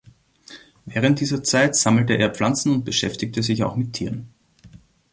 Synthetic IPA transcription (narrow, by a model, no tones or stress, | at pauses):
vɛːʁ̞ənt̚d̥iːzɐt͡saɪtz̥aml̩təʔeːɐflant͡sn̩ʊnt̚b̥əʃɛftɪktəzɪça̰ʊxmɪtʰːiːʁn